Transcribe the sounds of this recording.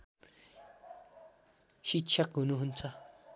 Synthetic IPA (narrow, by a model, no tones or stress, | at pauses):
ɕikɕʰʌkɦunuɦunt͡sʰʌ